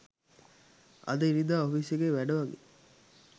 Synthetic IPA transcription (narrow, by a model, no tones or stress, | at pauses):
ɐ̰d̪ɐiɾid̪aːofisjeɡeːʋæɖɐʋɐɡḛ